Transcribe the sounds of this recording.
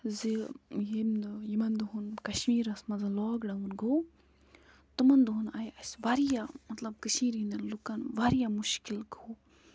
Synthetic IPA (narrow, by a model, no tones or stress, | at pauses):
zijemjimɐnd̪uɦunkɐʃmiːɾɐsmɐzɐlɔːɡɖɐmunɡow | t̪ɨmɐnd̪uɦunajɐsʋaɾijamɐt̪lɐbkəʃmiːɾinɐnlukɐnʋaːɾijamuʃkilɡoː